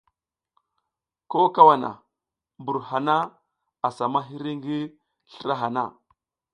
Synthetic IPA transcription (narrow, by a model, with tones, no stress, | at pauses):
ko˦ka˦wa˨na̰˨ | bu˨ɾha˨na˦ | a˨sa˨ma˦ɦi˦ɾi˦ŋɡi˦ | ɬə˦ɾa˦ɦa˨na˦˨